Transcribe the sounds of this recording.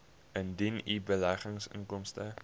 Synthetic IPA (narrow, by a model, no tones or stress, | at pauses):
əndinibəlæχəŋsə̰ŋkɔmstə